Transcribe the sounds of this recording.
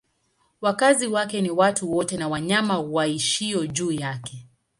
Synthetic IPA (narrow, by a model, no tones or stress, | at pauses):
wakaziwakɛniwatuwɔtɛnawaɲamawaiʃiɔʄuːjakɛ